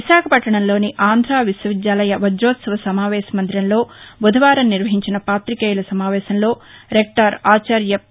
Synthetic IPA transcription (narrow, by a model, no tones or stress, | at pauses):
ʋiʃaːkʰɐpɐʈːɐɳɐmlo̞ːniʔaːnd̪ʱɾaːʋiswɐʋid̪jaːlɐjɐʋɐd͡ʒɾoːt̪sɐʋɐsɐmaːʋɛːsɐmɐnd̪ɾɐnlo̞ːbud̪ʱɐʋaːɾɐmːiɾʋɐɦiɲt͡ʃinɐpaːt̪ɾikɐːjulɐsɐmaːʋɛːsɐmlo̞ːɾek̚ʈɐɾaːt͡ʃaːɾjɐ